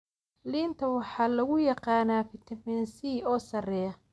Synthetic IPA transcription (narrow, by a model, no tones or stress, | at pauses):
liːnt̪ʰɐwɑħɑːlɐɣʊjɑqɑːnaːfɪt̪ʰɐmɛnsiːɔːsɐrɛːjɐ